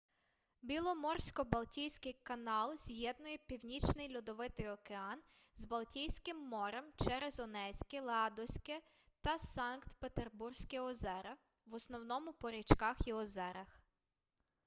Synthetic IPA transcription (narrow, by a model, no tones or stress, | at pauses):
bʲilˠɔmɔrsʲkɔbɐlˠtʲijsʲkɪjkɐnɑlˠz̥ʲjɛd̪nʊjɛpʲiwnʲit͡ʃnɪjlʲud̪ɔʋɪt̪ɪjɔkeɑn | zbɐlˠtʲijsʲkɪmːɔɾɛmt͡ʃɛɾezɔnɛsʲkɪlˠɑd̪ɔsʲkɛ | t̪ɐsɑnkt̪pet̪erbursʲkɪɔzɛɾɐ | ʋɔsnɔwnɔmʊpɔɾʲit͡ʃkɑxiɔzɛɾɐx